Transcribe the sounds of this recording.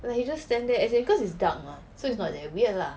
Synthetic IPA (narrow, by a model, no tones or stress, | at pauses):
lakjid͡ʒasːtɛ̃ndɛɛsebikɔsitsdakla | soitsnɔt̚dɛwila